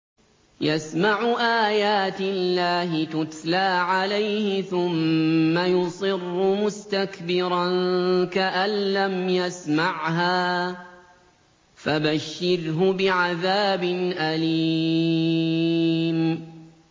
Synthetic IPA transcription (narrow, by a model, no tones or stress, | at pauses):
jasmaʕʊʔaːjaːt̪ɪlːaːɦɪt̪ʊt̪laːʕalajhɪθʊmːajʊsˤɨrːʊmʊst̪akbɪɾˤɑnkaʔalːamjasmaʕɦaː | fabaʃːɪɾɦʊbɪʕaðaːbɪnʔaliː | m